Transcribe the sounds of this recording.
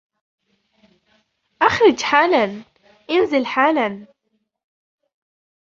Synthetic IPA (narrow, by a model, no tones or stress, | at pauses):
ʔaxɾɪd͡ʒħaːlan | ʔɪnzɪlħaːlan